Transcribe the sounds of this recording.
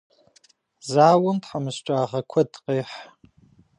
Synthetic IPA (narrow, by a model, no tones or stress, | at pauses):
zaːwʊmtħamɨɕʈ͡ʂʼaːʁɐkʷʰɐdqʼeːħ